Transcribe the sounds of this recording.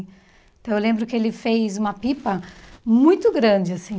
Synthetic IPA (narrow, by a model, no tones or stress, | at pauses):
t̪ɐ̃w̃ewlẽmbɾʊkɪelɪfejzũmɐpipɐmũj̃t̪ʊɡɾɐ̃d͡ʒɪasĩ